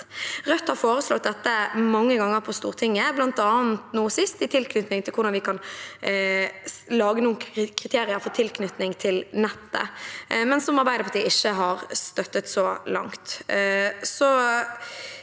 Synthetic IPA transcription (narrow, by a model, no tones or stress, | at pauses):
ʁœt̪ːhɑɾfoːɾəslɔt̪̚d̪ɛt̪ːəmɑŋːəɡɑŋːəʁpʰɔst̪uːʁt̪ʰɪŋːəblɑnt̪ɑːnt̪nuːsɪst̪ɪt̪ʰɪlkʰnʏt̪nɪŋt̪ʰɪlkʰʊɾd̪ɑnʋɪkʰɑn | lɑːɡənuːəkʰʁɪt̪ʰeːɾɪəɾfɔt̪ʰɪlkʰnʏt̪nɪŋt̪ʰɪlnɛt̪ːə̰mɛnsɔmɑɾbæɪd̪əpʰɔt̪iɪçːəɦɑɾst̪œt̪ːət̪sɔlɑ̰ŋt̪ | sɔ